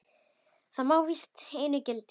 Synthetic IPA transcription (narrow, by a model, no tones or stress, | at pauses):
θamawvist̪eːjnʏcɛlt̪